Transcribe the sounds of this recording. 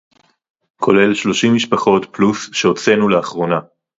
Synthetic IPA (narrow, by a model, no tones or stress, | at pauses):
kʰo̞le̞lʃlo̞ʃimːiʃpaχo̞tplusʃeot͡se̞nuleaχʁo̞na